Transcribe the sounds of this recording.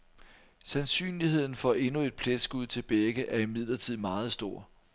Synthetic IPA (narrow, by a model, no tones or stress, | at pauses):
sænsy̰ːnlihe̝ð̰ˠn̩fɒ̽e̝nue̝d̥̚pʰled̥sɡ̥uð̞ˠt͡sʰe̝lb̥eɡ̥əʔæɐimið̞̰ˠlɐt͡sʰið̞̰ˠmɑ̈ːð̞̩ˠsd̥o̝ɐ̰